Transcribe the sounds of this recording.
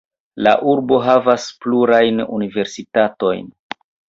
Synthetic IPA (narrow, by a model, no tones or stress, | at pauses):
la̰ʔuɾbo̞ɦavaspluɾajnṵnive̞ɾsitato̞jn